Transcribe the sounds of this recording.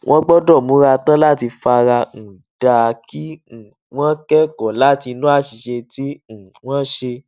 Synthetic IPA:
wʔɔ̃˦ɡ͡bɔ˦dɔ˦˨mũ˨˦ɾa˧tã˦la˦˨ti˧fa˧ɾa˧n̩˨ | d̥a˨˧ki˦n̩˨ | w̃ɔ̃˦kɛ˦kɔ˨la˦ti˧nũ˦a˦˨ʃi˨ʃe˧ti˦n̩˨w̃ɔ̃˦ʃe˧

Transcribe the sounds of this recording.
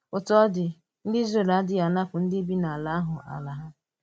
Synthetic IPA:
ʊ˨tɔ˦dɪ˨ | n̩˦di˦ze˨la˨˦dɪ˦ja˨na˦kʷʊ˨n̩˦dɪ˦bi˦na˨a˨la˨˦a˦ɦʊ˨ʔa̰˨la˨ɦa˦

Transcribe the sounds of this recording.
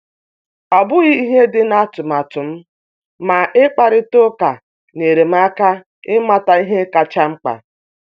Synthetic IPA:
ɔ˨bʊ˦ɣi˦i˦ɦe˦dɪ˦na˦tʊ˨m˨a˨tʊ˨m̩˦ | ma˨ʔɪ˦k͡pa˨ɾɪ˦to˦ka˨ | ne˨ɾe˨m̩˦a˦ka˦ | ɪ˦ma˦ta˨i˦ɦe˦ka˨t͡ʃa˦ŋ͡m̩˦k͡pa̰˨

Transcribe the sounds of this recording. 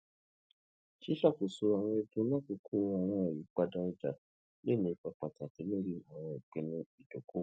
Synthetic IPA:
ʃi˦ʃa˦˨ko˨so˧a˨w̃ɔ̃˧e˧dũ˧˦nã˦˨ku˧kʰu˦˨˧a˨w̃ɔ̃˧ɛ˨ji˨˦k͡pa˧da˧ɛ˧d͡ʒa˨ | le˦˨nĩ˧˦i˧˨k͡pa˧k͡pa˨ta˨ti˨˦me˦ɾi˦˨ã˨w̃ɔ̃˨ɡɛ˨˧nĩ˧i˨do˨ko˦˨˦

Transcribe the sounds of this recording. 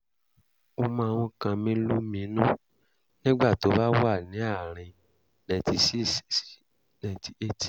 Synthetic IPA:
o˦mã˧˦˧w̃ɔ̃˧kã˧mĩ˦lu˦mĩ˨˦nũ˦˨ | nĩ˦ɡ͡ba˦˨to˨˦ba˦wa˦˨nĩ˨˦a˦˨ɾ̃ĩ˧ | nã˧˨ti˧si˦s | nã˨ti˨e˦ti˨

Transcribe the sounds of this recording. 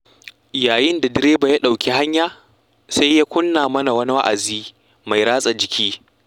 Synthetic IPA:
jaː˨jɪ˦nda˨dɪ˦ɾeː˦ba˨ja˦ɗa˨wkʲi˦ha˦ɲjaː˦ | sa˦jjaː˦kʷʊ˦nːaː˨mɐ˦na˨wɐ˦ni˦wa˦ʔa˨ziː˦ | ma˨jɾaː˦sʼa˨d͡ʒɪ˨kʲʰiː˦

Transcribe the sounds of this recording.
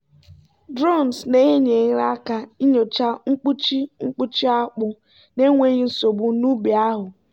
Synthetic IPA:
dɾo˦˨n˨sne˦e˦ɲe˨ɣɾa˦ka˦i˦ɲo˨t͡ʃa˦ŋ̩˦k͡pu˦t͡ʃi˦ŋ͡m̩˦k͡pu˦t͡ʃi˦a˦k͡pʊ˦ | ne˦ŋʷe˦ɣi˦n̩˦so˨bu˨nu˦bi˨a˦ɦʊ˨

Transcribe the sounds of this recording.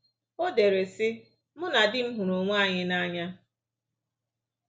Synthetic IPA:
o˦de˨ɾe˨sɪ˦ | mʊ˦na˨dɪ˦m̩˦ɦʊ˨ɾo˨ŋʷa˦˨ɲɪ˦na˦ɲa˦

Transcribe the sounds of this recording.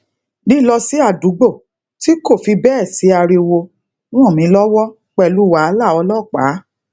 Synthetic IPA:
nĩ˦lɔ˧si˦a˦˨du˨˦ɡ͡bo˦˨ | ti˦ko˦˨fi˧bɛ˦˨si˨˦a˧ɾi˧wo˧ | ñ˦ɔ̃˦˨mĩ˨˦lɔ˦wɔ˦ | k͡pɛ˦˨lu˨˦˨wa˨˦la˦˨ɔ˧˦lɔ˦˨k͡pa̰ː˨˦

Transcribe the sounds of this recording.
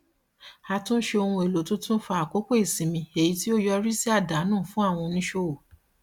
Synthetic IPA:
a˧tũ˦ʃe˧o˧hũ˧e˨lo˨˦tõ˦tũ˦fa˧˦a˨ko˦ko˦e˦˨sĩ˨˦mĩ˧e˨ji˨˦ti˦o˦jɔ˧ɾi˦si˦a˦˨da˨˦nũː˦˨fũ˦a˦˨w̃ɔ̃˧nĩ˦ʃo˦o˨

